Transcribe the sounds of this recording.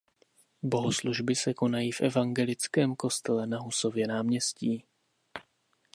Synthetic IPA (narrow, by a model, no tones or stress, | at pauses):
bo̞ɦosluʒbɪsɛko̞najiːfʔɛvaŋɡɛlɪt͡skɛːmko̞st̪ɛlɛnaɦuso̞vjɛnaːmɲɛsciː